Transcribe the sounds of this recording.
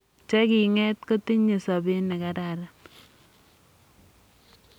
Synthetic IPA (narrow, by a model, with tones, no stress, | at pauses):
t͡ʃɛ˦ki˨ŋɛ˦tko˦ti˦ɲi˨sɔ˨bi˦nɛ˨ka˦ɾaɾa˦